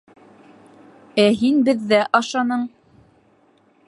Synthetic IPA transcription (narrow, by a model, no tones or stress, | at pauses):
æɦinbɘ̆ðːæʔɑʃɑnɤɴ